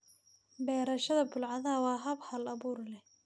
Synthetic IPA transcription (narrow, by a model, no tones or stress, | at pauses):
bɛːɾɐʃɐðɐbʊlʕɑðɐɦɐwɑːɦɐbhɐlɐβuːrlɛh